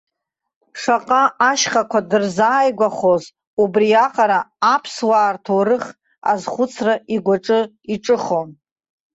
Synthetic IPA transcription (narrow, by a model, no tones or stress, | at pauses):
ʂaqʼaaʃχakʷʰadɨrzaːjɡʷaχoz | ubriaqʼaɾaapʰswaːrtʰoɾɨχ | a̰zχʷʊt͡sʰraʔiɡʷaʈ͡ʂʼɨ | iʈ͡ʂʼɨχon